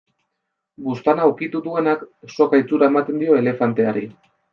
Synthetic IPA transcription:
bust̪anaukit̪uðue̞nakso̞kajt͡suɾaemat̪e̞nd̪io̞e̞le̞fant̪e̞aɾḭ

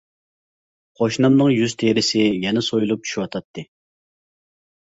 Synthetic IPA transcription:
qʰoʃnɑmnɨŋjyz̥t̪ʰeɾɪsɪjɛnɪsojulˠup̚t͡ʃʰy̥ʃiwɑt̪ʰɑt̪ʰːɨ

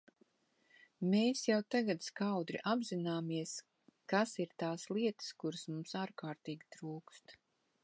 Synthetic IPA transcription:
meːsjawt̪aɡat̪skawd̪ɾḭʔabzinaːmiɛs | kasiɾt̪aːslˠiɛt̪ə̥skuɾɨsmumsaːɾkaːɾt̪iːɡʲit̪ɾuːkst̪

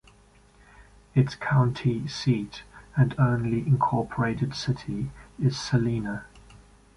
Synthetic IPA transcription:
ɪtskʰãʊ̃ntʰisiˑtə̃nə̃ʊ̃nliʔɪ̃nkʰɔˑpʰəɹeɪtɪd̥sɪtʰiɪz̥səlĩːnə

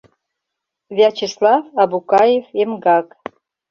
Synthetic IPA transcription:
vʲɑt͡ɕislɑfɑbukɑjefemɡɑk

